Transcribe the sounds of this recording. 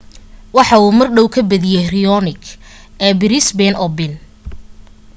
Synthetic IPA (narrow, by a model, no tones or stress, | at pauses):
wɑħɑuːmɐrɖɔwkʰɐbɐðɪjɛrɪjɔnɪɡ | ɛːbɪɾɪsbɛnʔɔbɪn